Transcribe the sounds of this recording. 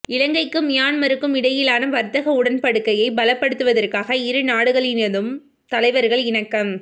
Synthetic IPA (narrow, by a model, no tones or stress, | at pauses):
ɪlɐŋɡɐɪkːɯmjaːnmɐɾɯkːɯmɪɽɐjɪlaːnɐʋɐɾt̪ɐɣɐʊɽɐnpɐɽɯkːɐjɐɪbɐlɐpːɐɽɯt̪ːɯʋɐðɐrkaːɣɐɪɾɯnaːɽɯɣɐɭɪnɐðɯm | t̪ɐlɐɪʋɐɾɣɐɭɪnɐkːɐm